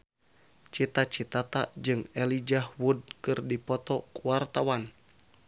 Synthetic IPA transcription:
t͡ʃit̪at͡ʃit̪at̪a̰d͡ʒɨŋɛlid͡ʒahwud̚kɨrdipɔt̪ɔkuwart̪awan

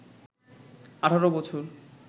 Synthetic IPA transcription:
aʈʰaɾobɔt͡ɕʰoɾ

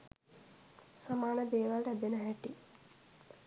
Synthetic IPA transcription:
samaːnəd̪eːʋalʈəæd̪enəɦɛʈi

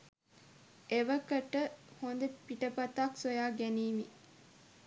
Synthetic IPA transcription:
eʋəkəʈəhond̪epiʈəpɐt̪aksojaːɡæniːmi

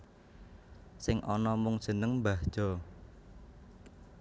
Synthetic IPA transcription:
sɪŋʔɔnɔmʊŋd̥ʒ̥ə̤nəŋmbahʒ̥ɔ̤

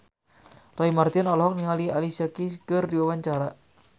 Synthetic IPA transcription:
raimart̪inɔlɔɦɔk̚niŋalialisakikərdiwawaɲt͡ʃaɾa

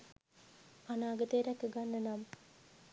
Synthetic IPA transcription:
anaːɡət̪eɾɛkːəɡanːənam

